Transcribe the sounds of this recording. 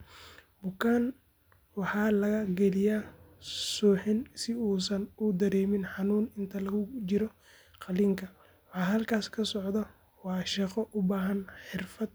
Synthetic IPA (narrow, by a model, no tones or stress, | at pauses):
bʊkʰaːn | wɑħɑːlɐɣɐɡɛlɪja | sɔːħɪnsɪuːsɐnʊd̪ɐɾɛːmɪnħɑnuːnɪnt̪ʰɐlɐɣʊt͡ʃɪɾɔ | qɑliːŋkʰɐ | wɑħɑːɦɐlkʰaːskʰɐsɔʕd̪ɐ | wɑːʃɑqɔʔʊbaːɦɐnħɪrfɐd̪̚